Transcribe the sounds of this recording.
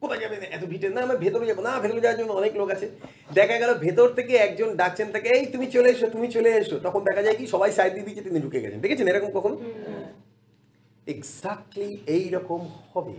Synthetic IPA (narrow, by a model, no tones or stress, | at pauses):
kot̪ʰad͡ʑabenaʔɛt̪obʱiʈeɾnaamabʱet̪oɾed͡ʑabonabʱet̪oɾed͡ʑawaɾd͡ʑonɔneklokat͡ɕʰe | ɖɛkʰaɡɛlobʱet̪oɾt̪ʰekeɛk̚d͡ʑonɖak̚t͡ɕʰent̪ʰekeejt̪umit͡ɕoleeʃot̪umit͡ɕoleeʃot̪ɔkʰond̪ɛkʰad͡ʑajkiʃɔbajsajd̪id̪it͡ɕet̪iniɖʱukeɡɛ̰t͡ɕʰḛndekʰet͡ɕʰeneɾɔkomkɔkʰono | eɡzak̚ʈliejɾɔkomhɔbḛ